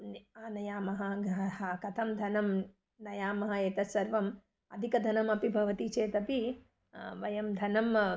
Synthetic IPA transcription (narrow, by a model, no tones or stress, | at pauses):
aːnɐjaːmɐɦɐɡɐhakɐt̪ʰɐmd̪ʱɐnɐm | nɐjaːmɐɦɐeːt̪ɐsɐɾʋɐm | ɐ̰d̪ʱikɐd̪ʱɐnɐmɐpibʱɐʋɐt̪it͡ʃeːt̪ɐpi | ʋɐjɐmd̪ʱɐnɐm